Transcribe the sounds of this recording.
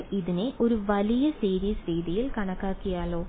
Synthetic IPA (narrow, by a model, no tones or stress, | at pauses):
iðine̞ʔo̞ɾuʋɐlijɐsiːɾiːsɾiːðijilkɐɳɐkːaːkːijaːlo̞ː